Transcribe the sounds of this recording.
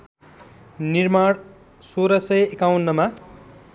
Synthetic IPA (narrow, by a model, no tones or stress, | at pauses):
nirmaɽ | soɾʌsʌjekawnːʌma